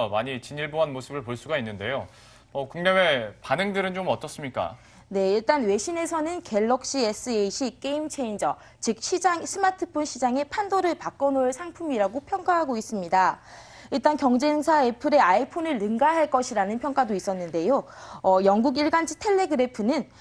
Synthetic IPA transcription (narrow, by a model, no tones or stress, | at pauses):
maɲit͡ɕiɲiɭboanmosʰɯbɯɭpoɭs͈uɡainːɯnde̞jo | ʌkuŋɲame̞panɯŋdɯɾɯnt͡ɕomʌt͈ʌs͈ɯmɲik͈a̰ | ne̞iɭt͈anwe̞ɕʰine̞sʰʌnɯnke̞ɭːʌk̚ɕ͈ies͈ʰɯeɕ͈ʰik͈e̞imt͡ɕʰe̞ind͡ʑʌ | t͡ɕik̚ɕ͈ʰid͡ʑaŋsʰɯmatʰɯpʰonɕʰid͡ʑaŋe̞pʰandoɾɯɭpak͈ʌnoɭsʰaŋpʰumiɾaɡopʰjʌŋk͈aɦaɡois͈ɯmɲida | iɭt͈ankjʌŋd͡ʑe̞ŋsʰae̞pʰɯɾe̞aipʰonɯɭːɯŋɡaɦaɭk͈ʌɕʰiɾanɯnpʰjʌŋk͈adois͈ʌnːɯnde̞joʌjʌŋɡuɡiɭɡand͡ʑʰitʰe̞ɭːe̞ɡɯɾepʰɯnɯn